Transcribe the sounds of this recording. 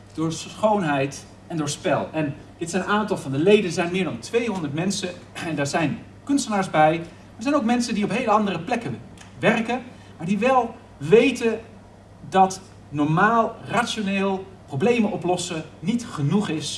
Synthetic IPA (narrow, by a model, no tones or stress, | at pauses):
d̥ʊːɹsχownɦɛjt | ɛndʊːɹspɛ̰lˠɛn | dɪtsɛjnnaːntɑlˠvɑndəlejdənzɛjnmɪːɹdɑntʋejɦɔndəɹtmɛnsə | ɛndaːɹzɛjn | kɵnstənaːɹszbɛj | maːdəɹzɛjnowk̚mɛnsəndiɔpɦejləɑndərəplɛkən | ʋɛrkən | maːɹdiʋɛlˠ | ʋejtən | dɑt | nɔɹmaːlˠratt͡ʃoneːlˠ | prowblejmənʔɔplɔsənitχənuχɪs